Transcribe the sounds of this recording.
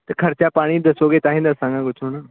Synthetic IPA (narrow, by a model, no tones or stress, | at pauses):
t̪ɐkʰɐɾt͡ɕapaːɽ̃id̪ɐsoːɡet̪aːɦĩːnd̪ɐːsãŋɡãɡʊt͡ʃʰuɽ̃ə